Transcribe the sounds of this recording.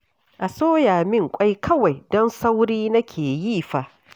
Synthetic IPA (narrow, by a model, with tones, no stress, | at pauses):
ʔa˨soː˦jaː˨mɪ˦ŋkʷʼa˦jkʰɐ˦wa˨jdɔ˦nsa˦wɽiː˦nɐ˦kʲʰeː˨ji˦ɸa˦ʔ